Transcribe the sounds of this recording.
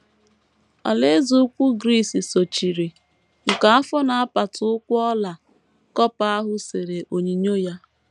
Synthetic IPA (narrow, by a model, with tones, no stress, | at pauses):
ɔ̰˨le˦zu˨ʊ˦kʷu˦ɡɾi˦˨si˨so˨t͡ʃi˨ɾi˨ | ŋ̩˨ka˨˦a˦fɔ˦na˨a˦pa˨tʊ˨ʊ˦kʷʊ˦ɔ˦la˨ | kɔ˦pa˦a˦ɦʊ˦se˨ɾe˨ʔo˨ɲi˨ɲo˦ja˦